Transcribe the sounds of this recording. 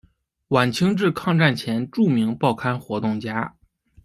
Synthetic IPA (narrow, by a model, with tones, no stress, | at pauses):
wa˨˩nt͡ɕʰi˥ŋʈ͡ʂɻ̩˥˧kʰɑ˥˧ŋʈ͡ʂa˥˩nt͡ɕʰjɛ˧˥nʈ͡ʂu˥˩mi˧˥ŋpɑ˥˩ʊkʰa˥nxwɔ˧˥t̪ʊ˥˩ŋt͡ɕja˥